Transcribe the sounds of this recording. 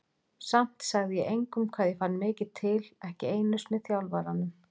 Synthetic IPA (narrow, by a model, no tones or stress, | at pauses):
sam̥t̪saɣðɪjɛʔejŋkʏmkʰvaːðjɛfanːmɪːcɪðt̪ʰːɪlɛhcɪeːjnʏst̪mɛðθjawlvaɾanʏm